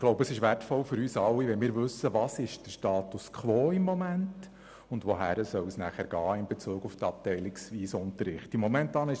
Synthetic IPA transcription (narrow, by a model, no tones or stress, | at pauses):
ɡloʊbəəsɪʃʋærtfɔlfʏɾyːsɑlːiʋɛnmɪːɾʋɵsːəʋɑːsɪʃd̥əʃtɑːtuskʰʋɔːɪmːɔmænt | ʊndʋoɦæːɾəsœʊsnæχæɾɡ̥ɑːɪmbet͡suːɡuftɑp̚tɛjlɪksʋiːsʊntəɾɪχtɪmːɔmɛntɑːnɪʃ